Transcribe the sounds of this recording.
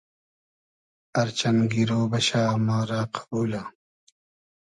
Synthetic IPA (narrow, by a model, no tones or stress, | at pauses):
ɐɾt͡ɕɐnɡiɾoːbɐɕaːmaːɾaːqʰḁbuːla